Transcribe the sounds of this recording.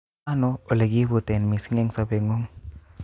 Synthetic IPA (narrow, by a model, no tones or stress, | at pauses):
anoːleɡibut̪enmisiŋeŋsabeŋoŋ